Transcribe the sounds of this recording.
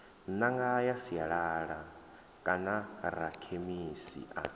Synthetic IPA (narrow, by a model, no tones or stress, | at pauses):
naŋɡajasijaɺaːɺa | kʼanarakʰemisḭʔa̰